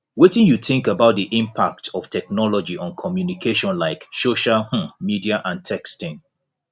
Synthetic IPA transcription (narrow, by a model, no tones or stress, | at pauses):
wetɪ̃njuθɪ̃ŋkəbaʊt̚ðiʔĩmpʰak̚tʰɔftʰɛk̚nɔlɔd͡ʒiʔɔ̃nkʰɔmjunikʰeʃɔ̃nlaɪksoʃalh̩midiaʔãntʰɛkstɪ̃ŋ